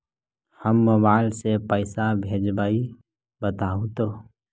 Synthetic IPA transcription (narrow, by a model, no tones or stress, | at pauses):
həmːobaɪlsepəɪsabʱeːd͡ʒbaːi | bət̪aːũt̪oː